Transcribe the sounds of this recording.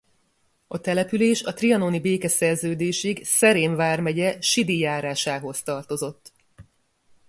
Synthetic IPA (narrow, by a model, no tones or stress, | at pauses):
ɒt̪ɛlɛpyleːʃɒt̪riɒnoːnibeːkɛsɛrzøːd̪eːʃiɡsɛɾeːɱvaːrmɛɟɛʃid̪ijaːɾaːʃaːɦo̞st̪ɒrt̪o̞zo̞t̪ː